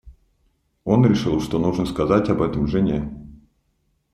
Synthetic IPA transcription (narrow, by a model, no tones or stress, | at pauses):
o̞nɾʲɪʂɨlˠʂt̪o̞nuʐnəskɐzatʲɐbɛt̪əmʐɨnʲe